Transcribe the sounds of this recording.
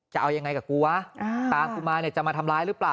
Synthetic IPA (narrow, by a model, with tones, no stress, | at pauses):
t͡ɕa˨˩ʔa˧wja˧ŋːa˧jkaː˨˩kuː˧a˧ʔa˧t̪aː˨˦mkʰuː˧maː˧ni˧˩ɐt͡ɕa˨˩ʔmaː˧t̪ʰa˧mlaː˧˥jɾɯː˦˥plaː˨˩